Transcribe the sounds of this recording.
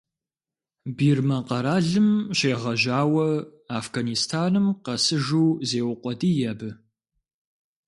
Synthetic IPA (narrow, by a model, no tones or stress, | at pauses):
biːrmɐqɐɾaːɮɨmɕeːʁɐʑaːwɐaːfɡanistʰaːnɨmqɐsɨʒuːzeːwʊqʷʼɔdiːjɐbɨ